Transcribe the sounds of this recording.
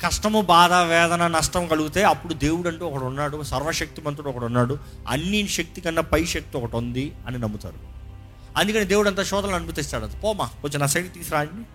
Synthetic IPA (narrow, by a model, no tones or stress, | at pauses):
kɐʂʈɐmubaːd̪ɐʋɛːd̪ɐnɐnɐʂʈɐmkɐluɡut̪e̞ːɐpːuɽud̪e̞ːwuɽɐɳʈuːɔkɐʈunːaːɽusɐɾʋɐʃɐk̚t̪imɐnt̪̬ɾuɽɔkɐʈunːaːɽu | ɐ̰nːinʃɐk̚t̪ikɐnːɐpɐjʃɐk̚t̪iɔkɐʈund̪iɐninɐmːut̪a̰ːɾu | ɐnd̪ukɐnid̪e̞ːwuɽɐnt̪aːʃɔːd̪ɐlnɐnubit̪̬ist̪aːɽɐt̪epɔːmaːot͡ʃːinaːsɐjʈit̪iːsɾaːɳi